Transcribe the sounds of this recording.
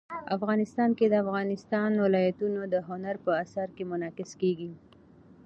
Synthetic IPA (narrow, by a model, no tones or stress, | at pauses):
afɣɑnɪst̪ɑnked̪əafɣɑnɪst̪ɑnwɪlɑjat̪unod̪əɦʊnaɾpəasaɾkemʊnɑkɪskeɡi